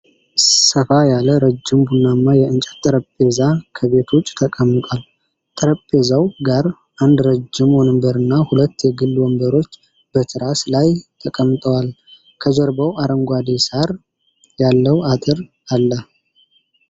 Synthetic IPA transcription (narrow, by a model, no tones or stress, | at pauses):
səfajaləɾəd͡ʒːɪmbunːamːajɛɨnt͡ʃʼɛ̥t̪ʼːɨɾəpʼːe̞zakʰəβe̞t̪ʰwʊt͡ʃʼt̪ʰəkʼəmːɨt̪ʼal | t̪ʼɨɾəpʼːe̞zawɡaɾ | ʔand̪ɾəd͡ʒːɪmwɔnɨmbəɾɨnːahulət̪ːjɛɡɨlːwɔmbəɾo̞t͡ʃː | b̥ət̪ʰɨɾaslajt̪ʰəkʼəmːt̪ʼəwal | kʰəd͡ʒəɾbəwaɾəŋɡʷad̪esaɾ | jalːəwat̪ʼɨɾ | alːə